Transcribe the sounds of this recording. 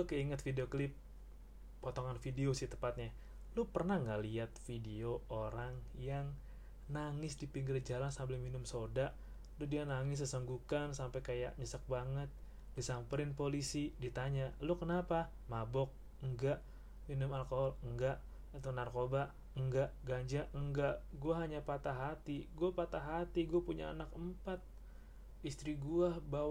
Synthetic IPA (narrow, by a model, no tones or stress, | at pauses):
lʊkəiŋət̪fideoklɪp̚ː | ot̪ɔŋanfideosɪht̪əmpat̪̚ɲa | lupərnahŋɡaliat̪̚fideooɾaŋjaŋ | naŋɪsdipiŋɡɪrd͡ʒalansambɪlminʊmsodaʔ | ludianaŋɪs̬əsəŋɡukansampajkaja̰ʔɲəsək̚baŋət̪̚ | disampəɾɪnpolisidit̪aɲalukənapa | mabɔk̚ | əŋɡaʔ | minʊmalkoɦɔləŋɡaʔ | it̪unarkoba | ŋɡaʔɡaɲd͡ʒaəŋɡaʔɡuaɦaɲapat̪aɦat̪iɡuapat̪aɦat̪iɡuapuɲa̰a̰nakəmpat̪̚ | ist̪ɾiɡuaba